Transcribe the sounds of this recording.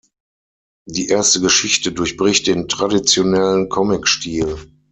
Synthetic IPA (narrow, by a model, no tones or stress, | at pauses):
d̥iːʔeːɐstəɡəʃɪçtədʊɐçb̥ʁɪçt̚d̥eːntʁ̥adit͡sjonɛlənkʰɔmɪkʃtʰiːl